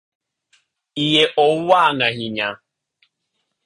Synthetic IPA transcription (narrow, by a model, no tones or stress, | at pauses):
ijeʔɔwanaɦiɲa